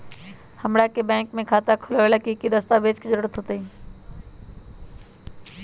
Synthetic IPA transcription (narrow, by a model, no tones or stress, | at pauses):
həmɽakebɛ̃ːŋkmẽkʰaːt̪akʰʊlələkikid̪əst̪abeːd͡ʒkizəɾɽət̪ɦot̪eĩː